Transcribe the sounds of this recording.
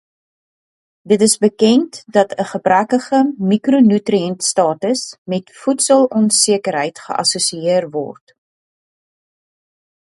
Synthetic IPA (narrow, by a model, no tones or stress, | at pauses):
dətəsbəkɛntdɐtəχəbrækəχəmikronytriɛntstɑːtəsmɛtfutsəlˠɔnsiəkəɾɦəjtχə̰ʔɐ̰susiiərvɔ̰rt